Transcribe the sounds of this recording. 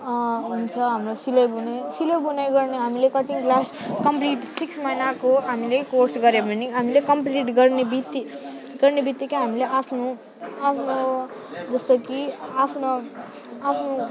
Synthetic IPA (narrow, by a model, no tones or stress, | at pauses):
ɦunt͡sʰʌɦamɾosilejbunejsilejbunejɡʌɾniɦamilekʌʈiŋɡklaskʌmpliʈsiksmajnakoɦamilekoɾsɡʌɾjebɐnːiɦamilekʌmpliʈɡʌɾnibit̪ːi | ɡʌɾnibʱit̪ːikiɦamileʔapʰnu | apʰno | d͡zʌst̪ʌkiapʰnɐ | apʰnu